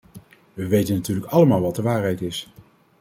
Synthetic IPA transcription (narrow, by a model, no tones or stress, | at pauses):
ʋəʋejtənːatyːɹləkɑləmaːlˠʋɑt̚dəʋaːrɦɛjtɪs